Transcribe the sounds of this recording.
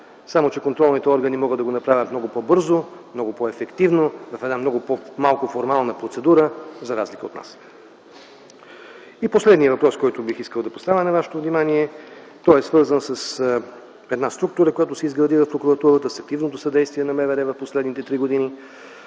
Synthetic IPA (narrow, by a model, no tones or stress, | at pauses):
samot͡ʃɛkont̪ɾɔlˠnit̪ɛɔɾɡənimɔɡəd̪ɐɡonɐpɾavʲət̪mnɔɡʊpɔbɤɾzomnɔɡʊpɔɛfɛkt̪ivnovɐfɛd̪amnɔɡʊpomalˠkʊfoɾmalˠnəpɾot̪sɛd̪uɾəzɐɾazlikəot̪na̰s | iposlɛd̪nijəvɐpɾɔskɔjt̪ʊbixiskəlˠd̪ɐpost̪avɛnɐvaʃɛ̥t̪ovnimaniɛ | t̪ɔɛsvɤɾzənsəs | ɛd̪nast̪ɾuk̚t̪ʊɾəkojat̪ʊsɛizɡɾɐd̪ivɐfpɾokuɾɐt̪uɾət̪əsɐk̚t̪ivnot̪ʊsɐd̪ɛjst̪viɛnɐmɛvɛɾɛvɐfposlɛd̪nit̪ɛt̪ɾiɡod̪ini